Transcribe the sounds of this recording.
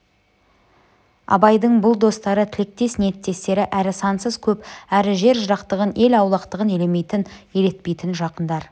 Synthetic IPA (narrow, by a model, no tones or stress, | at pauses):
ɑ̰bɑjd̪əɴbʊlˠd̪o̞st̪ɑɾət̪ʰɪlɪk̚t̪e̞snet̪ːe̞st̪e̞ɾɪʔæɾɪsɑnsəz̥kʲʰɵpæɾɪʒe̞ɾʒəɾɑqt̪əʁəne̞lɑwlˠɑqt̪əʁəne̞leme̞jt̪ɪneɾe̞t̪̚pe̞jt̪ɪnʒɑqənd̪ɑɾ